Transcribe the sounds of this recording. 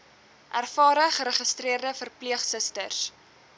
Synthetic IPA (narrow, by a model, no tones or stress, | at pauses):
ʔærfɑːɾəχəɾəχəstriərdəfərpliəχsəstərs